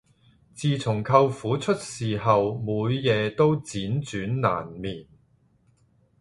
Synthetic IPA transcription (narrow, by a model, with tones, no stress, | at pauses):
t͡siː˨t͡sʰʊ˨˩ŋkʰɐ˧wfuː˨˥t͡ʃʰɵ˥t̚siː˨˩hɐ˨wmuː˨˧jːɛː˨˧t̪o˥wt͡siː˨˥nt͡ʃyː˨˥nna̰ː˨˩nmiː˨˩n